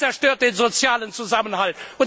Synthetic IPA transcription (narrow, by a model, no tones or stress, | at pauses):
t͡sɛɐʁʃtøːɐt̚d̥enzot͡sjaːlənt͡suzamənhaltun